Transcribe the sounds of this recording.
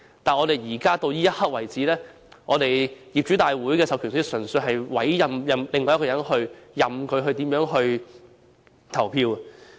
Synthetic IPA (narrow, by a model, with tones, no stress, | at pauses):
t̪aː˨nɔ˨˧t̪e˨jjiː˨˩kaː˥t̪o˧wjiː˥jɐ˥t̚hɐ˥k̚wɐ˨˩jt͡siː˨˥lɛː˥ | ʔɔː˨˧t̪e˨jjiː˨p̚t͡ʃyː˨˥t̪aː˨jwuː˨˥jkɛː˧sɐ˨˧wkʰyː˨˩nssɵ˨˩nsɵ˧ɦɐ˨jwɐ˨˥jːɐ˨mjɐ˨˧mlɪ˨ŋɔː˧jɐ˥kɔː˧jɐ˨˥nhɵ˧ɥjɐ˨mkʰɵ˨˧ɥɦɵ˧ɥt̪iː˨˥mjœː˨˥ŋɦɵ˧ɥ | t̪ʰɐ˨˩wpʰiː˧w